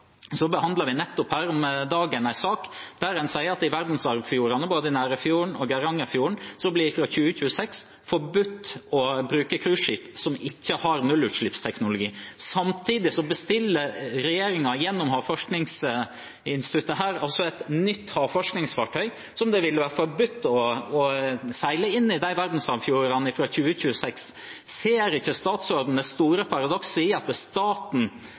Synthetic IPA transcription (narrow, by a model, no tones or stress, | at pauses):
sɔbəhɑnd̪lɑʋɪnɛt̪ːʊphæːɾɔmd̪ɑːɡənæɪsɑːkd̪̥æɾɛnsæɪəɑt̪ɪʋæɾd̪n̩sɑɾʋfjuːɾɑnəboːd̪əɪnæːɾəfjuːɳɔɡɛɾɑŋːɑfjuːəɳsɔblɪɪfɾɑçʉːəçʉːəsɛks | fɔbʉt̪ːɔbɾʉːkəkʰɾʉːʂiːpsɔmɪçːəhɑɾnʉlːʉːt̪ʂɭɪpst̪ʰɛknʊlʊɡiːsɑmt̪ʰiːd̪ɪsɔbəst̪ɪlːəɾɛjeːɾɪŋɑjɛnːɔmhɑːfɔʂknɪŋs | ɪnst̪ɪt̪ʉt̪ːəɦæːɾɑlsɔɛt̪nʏt̪ːhɑːfɔʂknɪŋsfɑʈʰœʏ | sɔmd̪ɛʋɪlːəʋæːɾfɔɾbʉt̪ːɔɔsæɪləɪnːɪd̪æɪʋæɾd̪n̩sɑʋfjuːɾɑnɪfɾɑçʉːəçʉːəsɛks | seːɾɪçːəst̪ɑːt̪sɔɾd̪n̩əst̪uːɾəpʰɑɾɑd̪ɔksəɪɑt̪st̪ɑːt̪n̩